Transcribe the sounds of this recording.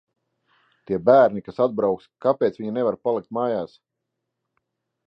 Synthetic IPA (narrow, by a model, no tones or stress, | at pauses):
t̪iɛbæːɾnikasad̪̚bɾawkskapʲeːt̪svʲiɲanɛvaɾpalˠik̚t̪̚maːjaːs